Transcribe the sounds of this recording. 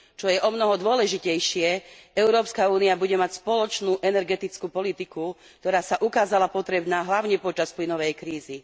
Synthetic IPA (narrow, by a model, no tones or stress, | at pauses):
t͡ʃɔjɛʔɔmnɔɦɔd̪ʊɔlɛʒicɛjʃɪɛɛʊɾɔːpskauːniabuɟɛmacspɔlɔt͡ʃnuːʔɛnɛɾɡɛt̪it͡skuːpɔlit̪iku | kt̪ɔɾaːsaʔukaːzalapɔt̪ɾɛbnaːɦlaʊɲɛpɔt͡ʃasplinɔʋɛjkɾiːzi